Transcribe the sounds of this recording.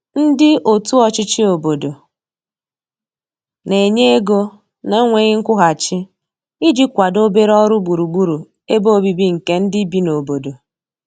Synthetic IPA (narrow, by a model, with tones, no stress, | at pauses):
n̩˦dɪ˦ʔo˨tu˦ɔ˨t͡ʃɪ˦t͡ʃɪ˦o˨bo˨do˨ | ne˨ɲe˦e˦ɡo˦ | na˦ŋʷe˦ɣɪ˦ŋ̩˦kʷʊ˦ɣa˨t͡ʃɪ˦ | i˦d͡ʒi˦kʷa˨do˦be˦ɾɔ˦ɾʊ˦bu˨ɾu˨ɡ͡bu˦ɾu˨ | e˦bo˦o˦bi˦bi˦ŋ̩˨ke˦n̩˦dɪ˦bi˦no˨bo˨do˨